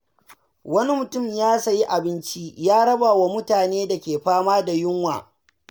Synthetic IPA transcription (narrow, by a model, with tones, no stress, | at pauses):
wɐ˦ni˦mʊ˨tʊ˦˨mjaː˦sa˨ji˦ʔa˨bɪ˦nt͡ʃi˦jaː˦ɽɐ˦baː˨wa˦mʊ˦taː˨neː˦da˨kʲeː˨ɸaː˦maː˦da˨jʊ˦ŋwa̰ː˨